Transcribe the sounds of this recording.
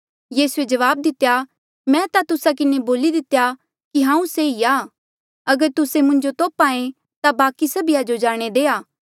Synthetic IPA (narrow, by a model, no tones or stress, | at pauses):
jiːsued͡ʒɐʋaːb̚d̪ɪt̪ːeja | mɛ̃t̪at̪ʊsak̬ɪneboːlid̪ɪt̪ːeja | kiɦãːũseiaː | ɐɡəɾt̪ʊsemʊ̃ɲd͡ʒot̪oːpãːẽ | t̪abaːkisɐbɪjad͡ʒod͡ʒaːɽ̃ed̪eːaː